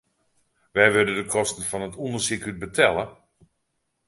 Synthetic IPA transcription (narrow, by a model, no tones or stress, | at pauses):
ʋɛjʋødədəkʰɔstən̩fɔnətʰundəsikyt̚bətʰɛlˠə